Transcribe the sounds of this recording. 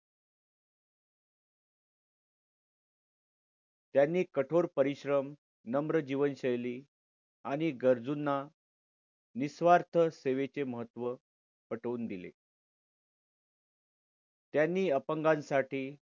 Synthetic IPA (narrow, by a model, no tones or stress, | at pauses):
t̪janːiːkəʈʰoɾpəɾiɕɾəm | nəmɾəd͡ʑiʋənɕəjliː | aɽ̃iɡəɾd͡zunːa | nisʋaɾt̪ʰəseʋet͡seməɦət̪ːʋə | pəʈəuːnd̪ilḛ | t̪janːiːəpəŋɡansaʈiː